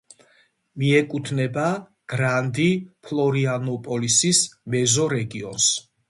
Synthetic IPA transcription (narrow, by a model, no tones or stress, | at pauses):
miɛkʼut̪ʰnɛba | ɡ̥ɾand̪ipʰlˠɔɾianɔpʼɔlisismɛzɔɾɛɡiɔ̰ns